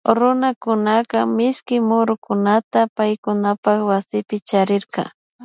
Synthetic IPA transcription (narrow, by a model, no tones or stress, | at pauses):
ɾʊnakʊnakamɪskɪmʊɾʊkʊnat̪apajkʊnapakwasɪpɪt͡ʃaɾɪɾkɑ̰